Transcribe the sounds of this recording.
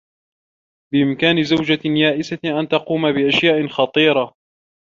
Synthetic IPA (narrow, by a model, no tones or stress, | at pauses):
bɪʔɪmkaːnɪzawd͡ʒajaːʔɪsaʔant̪ɑquːmabɪʔaʃjaːʔɪxɑt̪ˤiːɾˤɑ